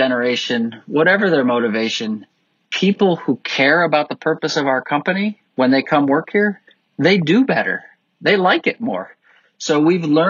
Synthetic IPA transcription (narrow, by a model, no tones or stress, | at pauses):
ɛnə˞eɪʃɨ̃nwʌɾɛvə˞ðə˞moʊɾɨveɪʃɨ̃n | pʰipl̩ˠhukʰɛɹɨbaʊt̪̚ðəpʰɜ˞pɨsʌvaʊə˞kʰʌ̃mpɨni | wə̃nðeɪkʰʌ̃mwɜ˞khiɹ | ðeɪdɨbɛɾə̰˞ | ðeɪlaɪkɨt̚mɔ̰ɹ | soʊwivlɜ̃˞